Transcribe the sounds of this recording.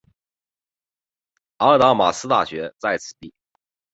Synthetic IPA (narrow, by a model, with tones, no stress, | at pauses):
a˧˥˧t̪a˧˥ma˨˩sɹ̩˥t̪a̰˥˩ɕɥɛ˧˥t͡sa˥˩ɪt͡sʰɹ̩˨˩t̪i˥˩